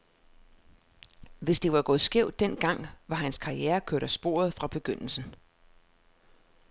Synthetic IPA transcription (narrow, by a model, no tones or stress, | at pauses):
ʋe̝sd̥e̝ʋɑ̈ɡ̥ɔ̽ːð̩ˠsɡ̥eʊd̥ːen̰ɡ̥ɑ̈ŋ̰ʋɑ̈ɦænskʰɑ̈ieːɐkʰøɐɾ̥æsb̥o̝̰ːɐð̞̩ˠfʁɑ̈b̥e̝ɡ̥øn̰l̩sn̩